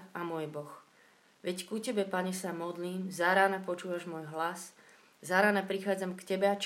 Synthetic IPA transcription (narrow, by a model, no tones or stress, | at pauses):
amʊɔjɛbɔx | ʋɛckucɛbɛpaɲɛsamɔd̪liːmzaɾaːnapɔt͡ʃuːʋaʒmɔːjɦlas | zaɾaːnapɾixaːd͡zamkcɛbɛat͡ʃ